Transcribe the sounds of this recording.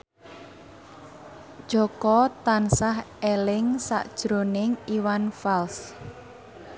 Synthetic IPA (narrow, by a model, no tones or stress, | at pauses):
ʒ̥ɔkɔt̪ansaɦelɪŋsa̰ʔd̥ʒ̥ɾonɪŋiwanfals